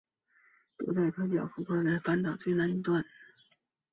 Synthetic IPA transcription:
t̪ṵ˧˥t͡sa˥˩ɪt̪ʰɤ˥t͡ɕ̪jɑ˨˩ʊfu˧˥˩kʰwa˥nla˧˥ɪfa˥nt̪ɑ˨˩ʊt͡swe˥˩ɪna˥ni˥t̪wa˥˩n

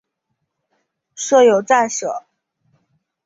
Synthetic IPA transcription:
ʂɤ˥˩jo˨˩ʊt͡sa˥˩nʂɤ̰˨˩˦

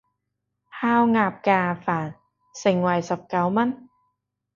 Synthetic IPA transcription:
haː˧wŋaː˧˩p̚kaː˧˩faː˨˩n | se˧˩ŋwa˧˩jsa˧˦p̚ka˧˦wma˧˥n

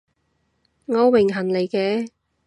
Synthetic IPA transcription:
ŋɔː˨˧wɪ˨˩ŋɦɐ˨˩nle˨˧jkɛː˧

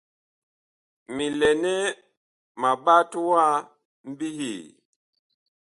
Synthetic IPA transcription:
mi˨lɛ˨nɛ˦ | ma˨ba˦tu˦wa˦ | m̩˦bi˦ɦi˨

